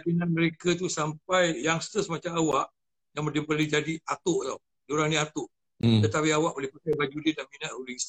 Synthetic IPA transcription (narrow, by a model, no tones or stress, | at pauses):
akinanməɾekət̪̬usampajjaŋsə̥t̪əsmat͡ʃamawaʔ | jaŋmədipərlid͡ʒadiat̪ʊʔt̪aw | d͡ʒoɾaŋniat̪ʊʔ | t̪ət̪apiawaʔolɪhpatajbad͡ʒudidahminaʔhulis